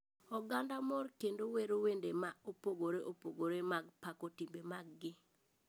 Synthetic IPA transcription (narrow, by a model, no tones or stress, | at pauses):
ɔɡandamɔrkendoweɾowendemaopoɡoɾeʔopoɡoɾemaɡpakotimbemaɡːɪ